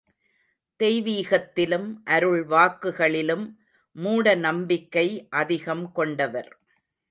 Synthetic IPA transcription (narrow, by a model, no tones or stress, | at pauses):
t̪ɛjʋiːɣɐt̪ːɪlɯmʔɐɾɯɭʋaːkːɯɣɐɭɪlɯmː | uːɽɐnɐmbɪkːɐɪʔɐðɪɣɐmkɔɳɖɐʋɐɾ